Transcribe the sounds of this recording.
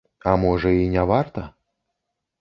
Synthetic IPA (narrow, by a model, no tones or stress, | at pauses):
amɔʐɐinʲavart̪ɐ